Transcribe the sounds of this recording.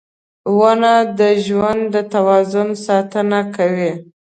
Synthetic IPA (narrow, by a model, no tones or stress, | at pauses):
wənad̪əʒwand̪d̪ət̪awɑzʊnsɑt̪ənakawi